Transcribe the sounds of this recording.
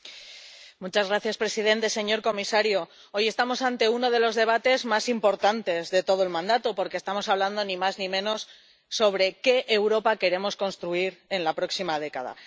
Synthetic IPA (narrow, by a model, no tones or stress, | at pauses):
mut͡ʃazɣɾaθjaspɾe̞sið̞e̞nt̪e̞se̞ɲo̞ɾko̞misaɾjo | o̞je̞st̪amo̞sant̪e̞uno̞ð̞e̞lo̞zðe̞β̞at̪e̞zmasimpo̞ɾt̪ant̪e̞zðe̞t̪o̞ð̞oe̞lmãnd̪at̪opo̞ɾkest̪amo̞saβland̪o̞nĩmaznĩmẽ̞no̞sː | o̞β̞ɾe̞ke̞ʔːwɾo̞pake̞ɾe̞mo̞sko̞nst̪ɾuiɾe̞nlapɾo̞ksimað̞e̞ka̰ð̞a̰